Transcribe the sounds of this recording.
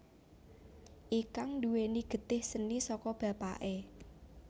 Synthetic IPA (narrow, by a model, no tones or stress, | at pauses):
ʔikaŋnd̪uweniɡ̥ə̤t̪ɪhsənisɔkɔb̥ä̤pa̰ʔe